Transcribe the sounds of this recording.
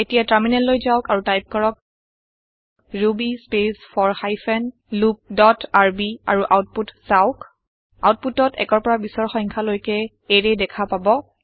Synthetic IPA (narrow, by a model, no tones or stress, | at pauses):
etijataɹminɛnlojzaʊkaɹutajp̚kɔɹɔk̚ | ɹubispesfʰɔɹxajfʰɛn | lup̚dɔtaɹbia̰ɹuʔawt̚putsaʊk | a̰wt̚putɔtʰɛ̰kɔɹpɔɹabisɔɹxɔ̃jŋkʰalojkɛ | eɹɛdɛkʰapabɔ